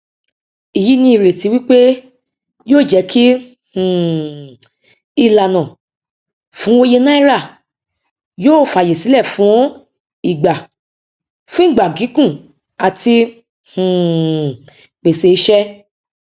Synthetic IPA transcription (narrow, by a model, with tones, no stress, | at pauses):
i˨ji˨˦nĩ˧i˨ɾe˨ti˧˦wi˦k͡pe˦ | joː˦˨d͡ʒɛ˧˦ki˦ | h̩˨ | i˧la˨nã˨ | fũ˨˦o˧je˧nã˦i˦ɾa˦˨ | joː˦˨˦fa˨je˨si˨˦lɛ˦˨fũ˨˦ | i˨ɡ͡ba˨ | fũ˦ĩ˦˨ɡ͡ba˨ɡi˨˦kũ˦˨ | a˨ti˧ | h̩˨ | k͡pe˨se˧i˧˦ʃɛ˦